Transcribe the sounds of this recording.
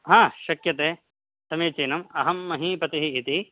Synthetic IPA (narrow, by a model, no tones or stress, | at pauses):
ɦãːʃɐkjɐt̪eː | sɐmeːt͡ʃeːnɐmɐɦɐmːɐɦipɐt̪iɦiːt̪i